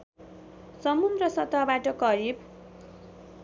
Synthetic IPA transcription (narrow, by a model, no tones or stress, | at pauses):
sʌmumrʌsʌt̪abaʈʌkʌɾib